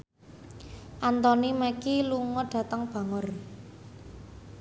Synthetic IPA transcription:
ʔant̪ɔnimakiluŋɔɖ̥ä̤t̪əŋb̥ä̤ŋər

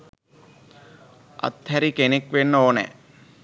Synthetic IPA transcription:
ɐ̰t̪hæɾikenekʋenːəoːnɛ̰

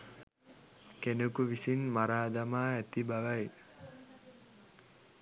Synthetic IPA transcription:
kenəkuʋisinmaɾaːd̪amaːæt̪ibaʋaj

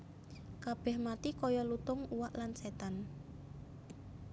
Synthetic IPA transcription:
kab̥ɛ̤hmat̪ikɔjɔlut̪ʊŋuwaʔlanset̪an

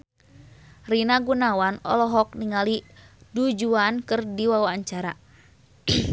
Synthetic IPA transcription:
rinaɡunawanɔ̰lɔɦɔk̚niŋalidud͡ʒuankɨrdiwawaːɲt͡ʃaɾa

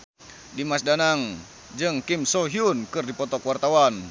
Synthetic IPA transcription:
dimasdanaŋ | d͡ʒɨŋkimsɔɦiunkɨrdipɔt̪ɔkwart̪awan

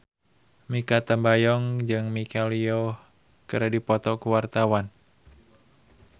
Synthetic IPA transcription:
mikat̪ambajɔŋd͡ʒɨŋmikalio | kɨɾadipɔt̪ɔkuwart̪awan

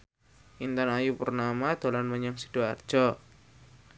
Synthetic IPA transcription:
ʔint̪anajupərnamad̪̥o̤lanməɲaŋsi̥d̥oard̥ʒ̥ɔ

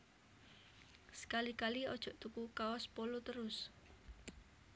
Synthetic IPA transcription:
sə̥kalikaliɔd̥ʒ̥ɔʔt̪ukukaɔspɔlut̪əɾʊs

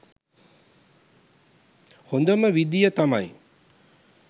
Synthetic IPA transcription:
hond̪əməʋid̪ijət̪amaj

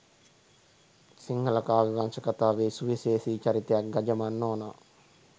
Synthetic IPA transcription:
siŋhɐlɐkaːʋiɡansɐkɐt̪aːʋeːsuʋiseːsiːt͡ʃɐɾit̪ejak̚ɡɐd͡ʒɐmanːoːnɐ̰

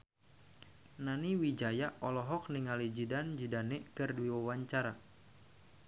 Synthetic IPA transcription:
naniwid͡ʒajaʔɔlɔɦɔk̚niŋalid͡ʒidand͡ʒidanɛkɨrduwiwawaɲt͡ʃaɾa

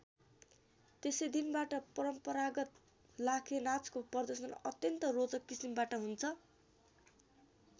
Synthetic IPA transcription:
t̪esʌjd̪inbaʈʌpʌɾʌmpʌɾaɡʌt̪̚ | lakʰenat͡skopʌrd̪ʌsʌnʌt̪jʌnt̪ʌrod͡zʌkːisimbaʈʌɦunt͡sʰʌ

